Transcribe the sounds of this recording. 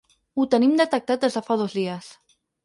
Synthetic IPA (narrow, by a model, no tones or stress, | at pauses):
ut̪ənimd̪ət̪ək̚t̪at̪̚ezðəfað̞ozðiəs